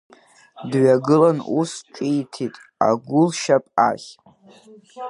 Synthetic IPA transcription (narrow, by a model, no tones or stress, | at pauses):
dɥaɡɨlanusʈ͡ʂʼitʰitʼ | a̰ɡʷʊlʃapʼa̰χʲ